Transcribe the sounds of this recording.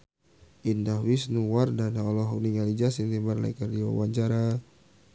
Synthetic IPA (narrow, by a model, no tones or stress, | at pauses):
ʔindahwisnuwardanaɔlɔɦuniŋalid͡ʒasint̪imarla̰kardiwa̰waɲt͡ʃaɾa